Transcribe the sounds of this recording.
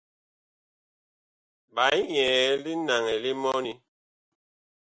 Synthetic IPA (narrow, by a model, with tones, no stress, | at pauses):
ba˨˦i˦ɲɛː˨˦li˦na˨ŋɛ˨li˦mɔ˦ni˦